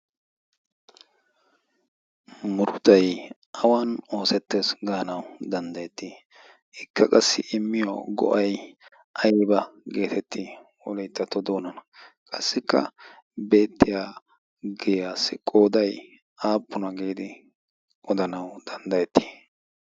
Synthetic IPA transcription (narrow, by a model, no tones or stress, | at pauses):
mʊɾʊt̪ɐj | ʔɐwano̞ːsɛt̪ːeːsɡaːnɐwd̪ɐnd̪ɐjɛt̪ːi | ɪkːɐkʼɐsːɪ̰ʔɪmːɪjoɡɔ̰ʔɐj | ʔɐjbɐɡe̞ːt̪ɛt̪ːiwɔlɛjt̪ːɐt̪ːɔd̪o̞ːnɐnɐkʼɐsːɪkːɐ̰ | be̞ːt̪ːɪjaː | ɡɛːjaːsɪkʼo̞ːd̪ɐj | aːpːʊnɐɡeːd̪ɪ | ɔd̪ɐnɐwd̪̥ɐnd̪ɐjɛt̪ːi̥ː